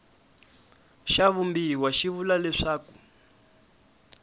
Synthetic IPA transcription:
ʃaβumbiwaʃiβulalɛʂaːku̥

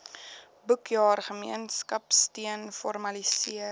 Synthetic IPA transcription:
bəkʰjɑːrχəmḭənskɐpstiənfɔrmɐlisiə

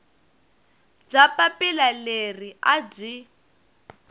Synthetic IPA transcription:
b͡ʐapʼapilaleriab͡ʐʷi

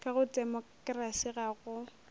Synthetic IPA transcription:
kaɣʊdɛmɔkʼrasiɣaɣʊ

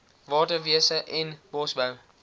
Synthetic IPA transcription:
vɑːtəviəsəʔɛnb̥ɔsbəw

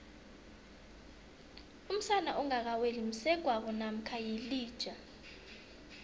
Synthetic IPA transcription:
um̩sanaʔɔŋak̬awelim̩sɛɡ̥ʱwak̬ɔnam̩kʰajiliːd̥ʒ̥ʱa

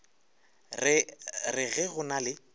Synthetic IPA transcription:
rɪɣɛɣʊnalɪ

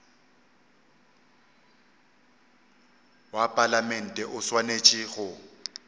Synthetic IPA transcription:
wapʼalamɛn̩tʼɛʔʊswanet͡ʃʼɪɣʊ

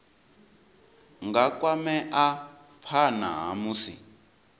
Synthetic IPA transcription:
ŋɡakʼwamɛʔa | pʰana̰ɦa̰muːsḭ

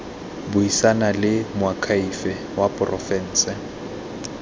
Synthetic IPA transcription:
bʊisanalɪmʊakʰaifɛ | wapʼʊrʔɔfɛn̩ːsɛ

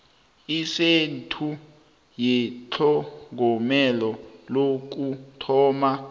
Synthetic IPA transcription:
isentʰu | jɛt͡ɬʰɔŋɡʱɔmɛlɔlok̬utʰɔːma

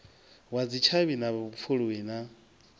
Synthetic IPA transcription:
wad͡zit͡ʃʰaβinaβp̪fʰuɺuwina

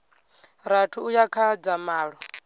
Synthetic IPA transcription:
ɾatʰuujakʰad͡zamaːɺɔ

